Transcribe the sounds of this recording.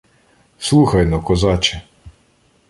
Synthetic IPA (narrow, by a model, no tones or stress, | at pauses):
slˠuxɐjnɔkɔzɑt͡ʃɛ